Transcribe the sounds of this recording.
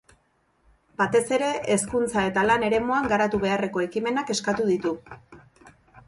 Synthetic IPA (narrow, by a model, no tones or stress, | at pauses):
bat̪e̞se̞ɾe̞ʔeskunt͡sae̞t̪alane̞ɾe̞moaŋɡaɾat̪uβ̞e̞are̞ko̞e̞kime̞nake̞skat̪uðit̪u